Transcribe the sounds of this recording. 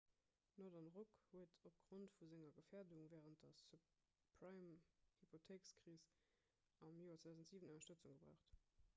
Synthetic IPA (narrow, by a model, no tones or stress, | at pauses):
nɔdɑnʁokhuətʰop̚ɡ̥ʁontfuzeŋɐɡəfɛːɐduŋvɛːʁənt̚d̥ɐsu | pʰʁamhipʰotʰeːkskʁiːs | ɑmjoːɐtt͡swed̪aʊzntz̥iːvənoɪnɐʃtət͡suŋɡəbʁa̰ʊχt